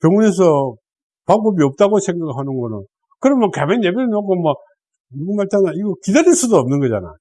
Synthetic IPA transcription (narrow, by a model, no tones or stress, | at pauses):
kjʌŋune̞s̬ʰʌ | pak̚p͈ʌbiʌp̚t͈aɡosʰe̞ŋɡaɡɯɭɦanɯnɡʌnɯn | kɯɾʌmmʌkamenːebeɾnokomwa | uɡumaɭtʰanaiɡʌkidaɾins͈udoʌmnɯnɡʌd͡ʑa̰na̰j